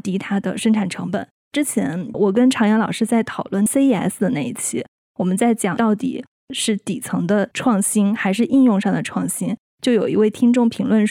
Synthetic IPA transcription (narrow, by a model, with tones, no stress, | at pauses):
t̪i˧˥t̪ʰa˥d̪ə̰˧˨ʂɤ˥ŋʈ͡ʂʰa˨˩nʈ͡ʂʰɤ˧˥ŋpə˨˩˦n | ʈ͡ʂɻ̩˥t͡ɕʰjɛ̰˧˥nwɔ˨˩k̬ə˥nʈ͡ʂʰɑ˧˥ŋjɛ˧˥lɑ˨˩ʊʂɻ̩˥˧t͡sa˥˩ɪt̪ʰɑ˨˩ʊlwə˥˩nse˥ɪ˥ɛ˧˥ɪs̩˥˩d̪ə˩na˥˩ɪi˥˩t͡ɕʰi˥ | wɔ˨˩mə˦nt͡sa˥˩ɪt͡ɕjɑ˨˩t̪ɑ˥˩ʊt̪ḭ˨˩ | ʂɻ̩˥˩t̪i˨˩t͡sʰɤ˧˥ŋd̪ə˧ʈ͡ʂʰwɑ˥˩ŋɕi˥nxa˧˥ɪʂ̬ɻ̩˥˧i˥˧njʊ˥˧ŋʂɑ˥˩ŋd̪ə˩ʈ͡ʂʰwɑ˥˩ŋɕi˥n | t͡ɕjo˥˩ʊjo˨˩ʊi˧˥we˥˩ɪt̪ʰi˥ŋʈ͡ʂʊ˥˩ŋpʰi˧˥ŋlwə˥˩nʂ